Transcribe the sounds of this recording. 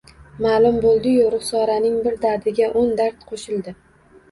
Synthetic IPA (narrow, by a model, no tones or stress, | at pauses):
maːlˠʊmbolˠd̪ɪjoɾʊχsɒɾanɪŋbɪɾd̪aɾd̪ɪɡʲaʔond̪aɾt̪qʰoʃɪlˠd̪ɪ